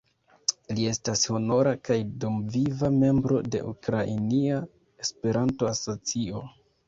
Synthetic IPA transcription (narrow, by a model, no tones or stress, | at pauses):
lie̞stasho̞no̞ɾakajdomvivame̞mbɾo̞de̞̰ʔukɾainia | e̞spe̞ɾanto̞asot͡sio̞